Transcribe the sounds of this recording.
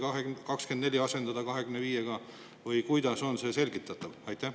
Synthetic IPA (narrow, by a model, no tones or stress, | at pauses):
kɑɦekɑkske̞nd̪neiɑse̞nd̪̥ɑd̪ɑkɑɦe̞ɡ̥ymneviːjeɡ̥ɑ | vɯjkujd̪̥ɑso̞nse̞se̞lʲɡ̥it̪ːˑɑt̪ːˑɑvɑjt̪ːˑæh